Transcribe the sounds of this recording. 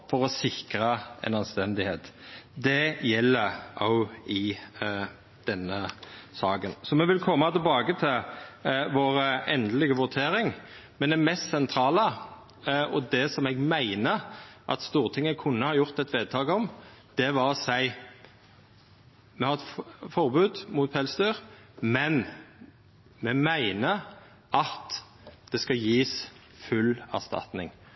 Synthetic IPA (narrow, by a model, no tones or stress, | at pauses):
fɔʁɔsɪkɾəɛ̰nɑnst̪ɛnd̪ɪhḛːt̪d̪ɛjɛlːəʔaʊɪ | d̪̥ɛnːəsɑːɡənsɔmɛʋɪlkʰɔmːɑt̪ʰɪlbɑːɡət̪ʰɪlʋoːɾəɛnd̪əlɪɡəʋʊʁt̪ʰeːɾɪŋmɛnd̪ɛmɛst̪sɛnt̪ʰɾɑːlə | ɔd̪ɛsɔmɛɡmæɪnəʔɑ̰t̪st̪uːʁt̪ʰɪŋːəkʰʊnːəhɑːjʊʁt̪ɛt̪ʋeːd̪̚t̪ʰɑːɡɔmd̪̥ɛʋɑʁsæɪ | mɛhɑɾɛt̪fɔʁbʉːd̪muːt̪̚pʰɛlsd̪yːʁmɛn | mɛmæɪnə | ʔɑt̪ | d̪̥ɛskɑjiːs | fʉlæ̰ʁst̪ɑ̰t̪nɪ̰ŋ